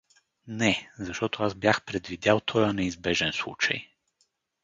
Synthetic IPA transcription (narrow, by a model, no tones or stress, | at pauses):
nɛzaʃt̪ɔt̪ʰoazbjaxpɾɛd̪vid̪ʲalˠt̪ʰɔjanɛizbɛʒɛnslˠut͡ʃa̰j